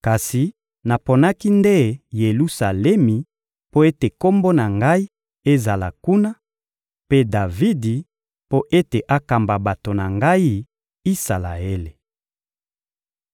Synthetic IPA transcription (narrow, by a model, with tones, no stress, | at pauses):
ka˨si˨ | na˨po˨na˦ki˦nde˦je˨lu˦sa˨lɛ˦mi˨ | po˦e˦te˨ko˦mbo˦na˨ŋɡa˦i˦ | e˦za˨la̰˨ku˦na˦ | pe˦da˨vi˦di˨ | po˦ʔe˦te˨ʔa˦ka˨mba˨ba˨to˨na˨ŋɡa˦i˦ | i˦sa˨la̰˨e˦le˨